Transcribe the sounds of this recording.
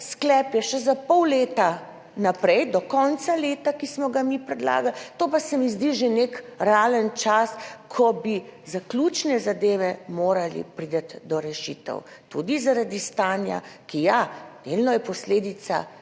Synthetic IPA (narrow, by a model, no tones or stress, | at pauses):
sklɛːpjɛʃɛzapɔwleːt̪a | napɾɛjd̪ɔkɔnt̪saleːt̪akismɔɡamipɾɛd̪la̰ːɡalt̪opasɛmizd̪iʒenekɾaːlənt͡ʃaskʰɔbizaklʲut͡ʃnɛzad̪eːʋɛmoːɾalḭpɾid̪at̪d̪ɔɾɛʃḭːt̪ə̰w | t̪ṵd̪izaɾad̪ist̪aːnja̰kijad̪̥elnɔjɛpɔsleːd̪it̪sa̰